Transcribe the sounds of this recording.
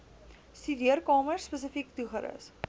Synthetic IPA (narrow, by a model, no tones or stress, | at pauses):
stydiərkɑːmərspəs̬əfiktuxəɾə̰s